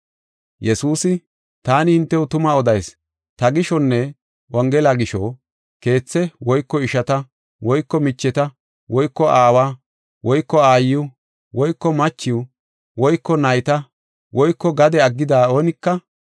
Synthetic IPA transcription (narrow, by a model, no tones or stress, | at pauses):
jɛsuːsɪ | t̪aːnɪhɪnt̪ːɛwʊt̪ʊmɐɔd̪ɐjs | t̪ɐɡɪʃɔnːɛ | wɐŋɡɛlaɡɪʃɔ̰ | ke̞ːt͡sːɛwɔjkːɔɪʃɐt̪ɐ | wɔjkːɔmɪt͡ʃːɛt̪ɐ | wɔjkːɔʔaːwaː | wɔjkːɔaːjɪʊ | wɔjkːɔmɐt͡ʃːɪʊ | wɔjkːɔnɐjt̪ɐ | wɔjkːɔɡɐd̪ɛɐɡːɪd̪aːo̞ːnɪkːɐ